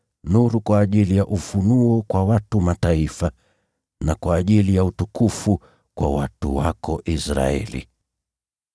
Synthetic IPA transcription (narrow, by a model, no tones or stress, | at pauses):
nuɾukwaːʄilijaʔufunuɔkwawatumataifa | nakwaːʄilijautukufu | kwa̰watṵwa̰kɔʔisɾa̰ɛ̰lḭ